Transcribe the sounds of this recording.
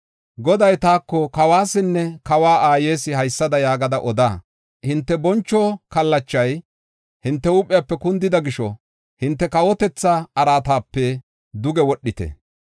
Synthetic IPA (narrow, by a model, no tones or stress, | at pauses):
ɡɔd̪ɐjt̪aːkːɔkɐwaːsɪnːɛkɐwaːʔaːje̞ːsɪɦɐjsːɐd̪ɐjaːɡɐd̪ɐʔɔd̪aː | hɪnt̪ːɛbɔnt͡ʃːɔkɐlːɐt͡ʃːɐj | hɪnt̪ːɛʊpʼɪjaːpːɛkʊnd̪ɪd̪ɐɡɪʃɔ̰ | hɪnt̪ːɛkɐwɔt̪ɛt͡sːɐɐɾaːt̪aːpːɛ | d̪ʊɡɛwɔɗːɪt̪ɛ̰